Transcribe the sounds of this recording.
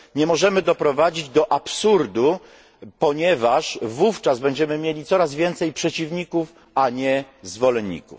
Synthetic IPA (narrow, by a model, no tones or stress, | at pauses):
ɲɛmɔʐɛmɘd̪ɔpɾɔvad͡ʑid͡ʑd̪ɔʔapsuɾd̪u | pɔɲɛvaʂvuft͡ʂazbɛɲd͡ʑɛmɘmʲjelʲit̪sɔɾazvʲjɛnt̪sɛjpʂɛt͡ɕivɲikuf | aɲɛzvɔlɛɲʲːḭkṵf